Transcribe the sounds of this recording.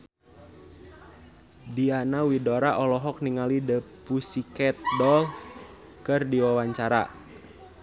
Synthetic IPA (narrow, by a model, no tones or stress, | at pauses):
dianawidoɾaʔɔlɔɦɔk̚niŋalidəpusikɛt̪̚dɔl | kɨrdiwawaɲt͡ʃaɾa̰